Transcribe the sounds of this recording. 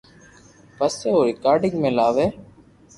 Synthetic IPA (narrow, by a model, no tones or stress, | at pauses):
pəseːoːɾɪkaːɾɖɪ̃ŋɡmẽːlaːʋeː